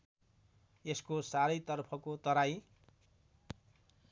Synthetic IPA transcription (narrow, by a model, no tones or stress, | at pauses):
eskosaɾʌjt̪ʌrpʰʌkot̪ʌɾaj